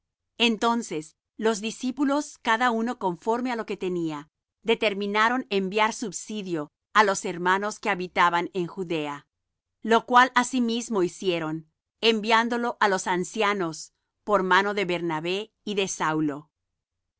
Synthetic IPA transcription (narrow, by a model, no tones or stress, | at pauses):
e̞nt̪o̞nses | lo̞zðisipulo̞skaðauno̞koɱfo̞ɾme̞alo̞ke̞t̪e̞nia | ðe̞t̪e̞ɾmĩnaɾo̞ne̞mbjaɾsuβsiðjo̞ | alo̞se̞ɾmano̞ske̞aβit̪aβane̞ŋxuðe̞a | lo̞kwalasimizmo̞isje̞ɾo̞n | e̞mbjand̪o̞lo̞ʔalo̞sansjano̞s | po̞ɾmano̞ðe̞βe̞ɾnaβe̞ | iðe̞sawlo̞